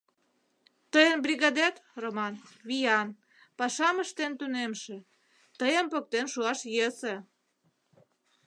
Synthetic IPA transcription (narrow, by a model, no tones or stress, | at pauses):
t̪əjənbrʲiɣɑd̪æt̪romɑnβijɑn | pɑʃɑməʃt̪ent̪unemʃĕ | t̪əjəmpok̚t̪enʃuɑʃjesĕ